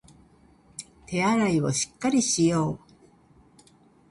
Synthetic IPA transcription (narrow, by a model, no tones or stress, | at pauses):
t̪e̞aɾaiβo̞ɕi̥kːaɾʲiɕijo̞ː